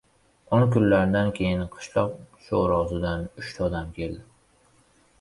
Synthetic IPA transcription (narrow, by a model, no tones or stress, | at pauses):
oŋkʊnlaɾd̪ankʲʰe̞jɪnqʰɨ̥ʃlˠɒq̚ʃoɾɒsɪd̪anʊʃt̪ʰɒːd̪amkʲʰe̞ld̪ɪ